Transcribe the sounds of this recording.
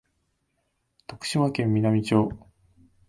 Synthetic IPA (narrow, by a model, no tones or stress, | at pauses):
t̪o̞kɯ̥ɕiβakẽ̞mːʲinamʲit͡ɕo̞ː